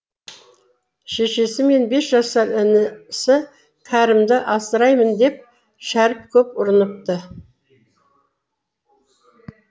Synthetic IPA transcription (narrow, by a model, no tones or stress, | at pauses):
ʃe̞ʃe̞sɪme̞nbe̞sʒɑsɑɾɪnɪsɪ | kʲʰæɾɪmd̪ɪʔɑsəɾɑjmənd̪e̞p̚ | ʃæɾɪp̚kʲʰɵpʊɾənəp̚t̪ə